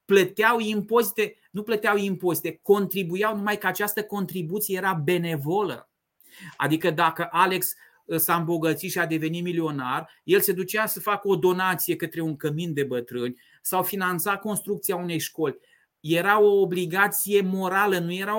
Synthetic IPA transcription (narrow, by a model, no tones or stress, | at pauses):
plət̪eawimpo̞zit̪e̞nuplət̪eawimpo̞zit̪e̞ko̞nt̪ɾibujawnumajkəat͡ʃast̪əko̞nt̪ɾibut̪sijejeɾabe̞ne̞volə̰ | a̰d̪ikəd̪akəʔale̞ks | saɨmbo̞ɡət̪sit̪ʃiad̪e̞ve̞nit̪milio̞narje̞lse̞d̪ut͡ʃasəfakəo̞d̪o̞nat̪sije̞kət̪ɾe̞uŋkəmint̪d̪e̞bət̪ɾɨnʲ | sawfinant̪sako̞nst̪ɾuk̚t̪siaune̞jʃko̞lʲ | je̞ɾao̞ːbliɡat̪sije̞mo̞ɾalənuje̞ɾa